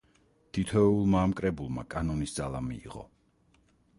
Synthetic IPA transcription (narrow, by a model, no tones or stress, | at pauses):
t̪ʰit̪ʰɔulˠmaːmkʼɾɛbulˠmakʼanɔnisd̪zalˠamḭːʁɔ̰